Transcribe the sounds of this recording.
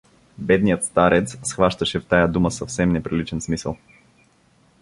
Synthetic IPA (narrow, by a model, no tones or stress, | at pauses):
bɛd̪nijət̪st̪aɾɛt̪ssxvaʃt̪əʃɛft̪ajad̪uməsəfsɛmnɛpɾilit͡ʃɛnsmisə̰lˠ